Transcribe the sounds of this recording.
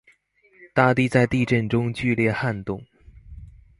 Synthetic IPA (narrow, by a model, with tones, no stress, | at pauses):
t̪a˥˧t̪i˥˧t͡sa˥˧ɪt̪i˥˧ʈ͡ʂə˥˩nʈ͡ʂʊ˥ŋt͡ɕy˥˧ljɛ˥˩xa˥˧nt̪ʊ˥˩ŋ